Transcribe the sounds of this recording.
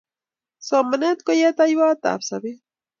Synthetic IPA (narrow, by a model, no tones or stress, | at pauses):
somanat̪kojat̪ajwat̪a̰psabi